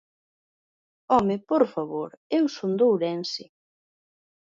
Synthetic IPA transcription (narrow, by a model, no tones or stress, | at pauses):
ɔmɪpoɾfaβoɾewsond̪owɾɛnsɪ